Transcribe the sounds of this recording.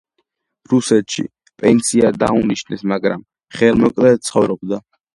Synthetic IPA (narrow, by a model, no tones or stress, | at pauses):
ɾusɛt̪ʃḭ | pʼɛnsiad̪a̰uniʃnɛsmaɡɾa̰m | χɛlmɔkʼlɛt̪sʰχɔvɾɔb̚d̪a